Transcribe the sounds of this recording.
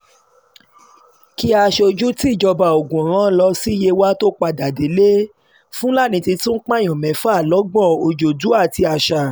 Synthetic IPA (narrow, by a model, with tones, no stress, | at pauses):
ki˦a˧ʃo˧d͡ʒu˦ti˦˨d͡ʒɔ˧ba˨o˨ɡũ˨ɾ̃ã˦lɔ˧si˦je˧wa˦to˦k͡pa˧da˨de˨˦le˦ | fũ˦la˦˨nĩ˧ti˧tũ˦n̩˦k͡pã˦˨j̃ɔ̃˨mɛ̃˨˦fu˦a˦˨lɔ˨˦ɡ͡bɔ̃˦˨o˨d͡ʒo˨du˨˦a˦˨ti˧a˧ʃa˧˨